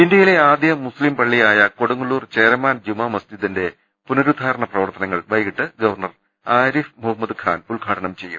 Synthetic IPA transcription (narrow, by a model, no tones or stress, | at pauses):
indjɐjile̞aːd̪jɐmuslimpɐɭːijaːjɐkoɽuŋɡuluːrt͡ɕeːɾɐmaːnd͡ʑumɐmɐsd͡ʑid̪inde̞ | punɐɾud̪ʱaːɾɐɳɐprɐʋɐrt̪ɐnɐŋːɐɭʋɐjkiʈːɨɡɐʋɐrɳɐr | aːɾifmuhɐmːɐd̪kʰa̰ːnulɡʱaːʈɐɳɐmt͡ɕe̞jːṵm